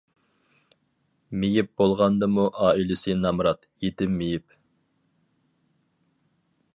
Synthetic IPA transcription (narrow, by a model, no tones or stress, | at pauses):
mejip̚bolˠʁɑnd̪ɨmuʔɑːilɪsɪnɑmɾɑt̪jet̪ɪmːejip